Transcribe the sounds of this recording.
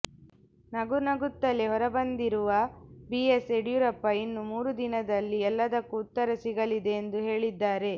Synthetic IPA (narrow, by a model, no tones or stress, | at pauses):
nɐɡunɐɡut̪ːɐle̞ɦɔɾɐbɐnd̪iɾuʋɐbieseɖjuɾɐpːɐinːumuːɾud̪inɐd̪ɐlːiɛlːɐd̪ɐkːuːt̪ːɐɾɐsiɡɐɭid̪e̞ːnd̪uɦe̞ːɭid̪ːaːɾe̞